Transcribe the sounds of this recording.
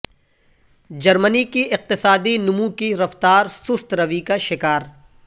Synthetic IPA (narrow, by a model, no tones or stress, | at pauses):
d͡ʒɐɾmənikiɪq̚t̪ɪsaːd̪inʊmũkiɾɐft̪aːɾsʊst̪ɾɐʋikaʃɪkaːɾ